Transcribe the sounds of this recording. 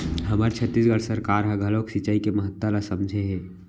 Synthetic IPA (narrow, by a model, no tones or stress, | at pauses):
ɦəməɾt͡ʃʰət̪ːisɡəɭsəɾkaːɾɦãɡʱəloksit͡ʃaːikeməɦət̪ːalasəmd͡ʒʱeɦɛː